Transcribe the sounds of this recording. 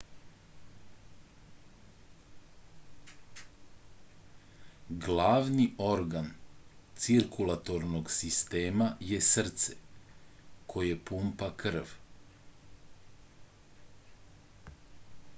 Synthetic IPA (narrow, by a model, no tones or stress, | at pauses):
ɡlaːʋnio̞ɾɡant̪siɾkulˠat̪o̞ɾnoɡsist̪eːmaje̞srt̪sḛ | kʰo̞jepuːmpakr̩ʋ